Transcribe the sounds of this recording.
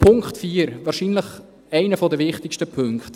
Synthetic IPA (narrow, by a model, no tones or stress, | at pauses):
pʰʊŋkχtfiːəɾʋɑːɾʃiːnləχ | æɪnəfɔdəʋɪχtɪʃtəpʰɵŋkχt